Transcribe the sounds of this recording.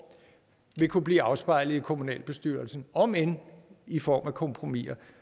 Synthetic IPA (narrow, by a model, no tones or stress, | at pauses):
ʋe̝kʰub̥liːɑ̈ʊsb̥ɑ̈ɪ̰lð̩ˠikʰo̝munɛ̰ːlb̥e̝sd̥yɐlsn̩ɒ̽menifɒ̰ːmækʰɔ̽mpʰʁo̝mḭɐ